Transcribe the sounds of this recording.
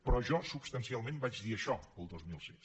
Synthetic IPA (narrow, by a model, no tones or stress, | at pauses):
pɾɔʒɔsupst̪ənsialˠmẽmbad͡ʒd̪iəʃɔəlˠd̪ozmilˠsens